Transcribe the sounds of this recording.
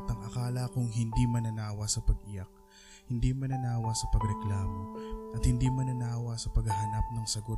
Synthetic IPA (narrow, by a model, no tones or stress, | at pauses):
t̪ɐŋɐkaːlɐkʊŋɦɪnd̪imɐnɐnaːwɐsɐpɐɡɪjak̚ | hɪnd̪imɐnɐnaːwɐsɐpɐɡɾɛklaːmo̞ʔɐt̪hɪnd̪imɐnɐnaːwɐsɐpɐɡɐɦɐnap̚nɐŋsɐɡot